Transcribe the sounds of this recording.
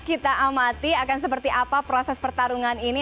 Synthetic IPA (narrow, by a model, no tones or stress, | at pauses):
kit̪aʔamat̪iakans̬əpərt̪iʔapapɾosɛspərt̪aɾuŋanini